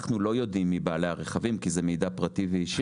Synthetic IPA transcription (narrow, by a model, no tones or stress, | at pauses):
χnulo̞jo̞dimːibaːlehaʁeχavimkizemejdapʁativeiʃ